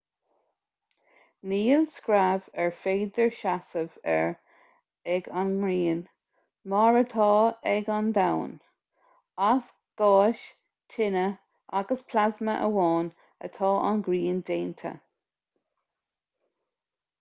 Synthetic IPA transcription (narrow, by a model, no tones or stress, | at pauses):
niːlskɹavɛɹfeːd̪əɹʃasəvɛ̰ɹ | ɛɡanŋɹiːn | mɑːɹət̪ʰɑːɛɡand̪awn | as | ɡ̥ɑːʃ | tʰɪnə | ʔaɡəspʰlazməʔə̰wɑːn | ə̰t̪ʰɑːʔanɡɾiːnd̪eːnt̪ʰə̰